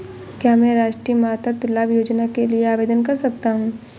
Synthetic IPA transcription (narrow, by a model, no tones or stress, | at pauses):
kjaːmɛ̃ːɾaːʃʈɾiːəmaːt̪at̪ʊlaːbjoːd͡ʒnakelieaːʋeːd̪ənkɐɾsɐk̚t̪aɦũː